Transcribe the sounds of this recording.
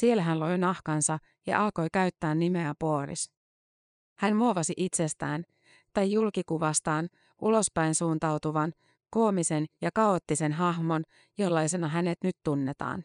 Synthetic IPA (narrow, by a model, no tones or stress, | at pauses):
sie̞læɦænlojnɑhkɑnsɑ | jɑ̰ʔɑlko̞jkæyt̪ːæːnːime̞æpoːɾḭs | hænmuoʋɑsiʔit̪se̞st̪æːn | t̪ɑjːulkikuʋɑst̪ɑːn | ʔulo̞spæjnsuːnt̪ɑwt̪uʋɑn | koːmise̞njɑkɑo̞t̪ːise̞nɦɑɦmo̞n | jo̞lːɑjse̞nɑɦæne̞t̪nyt̪ːunːe̞t̪ɑ̰ːn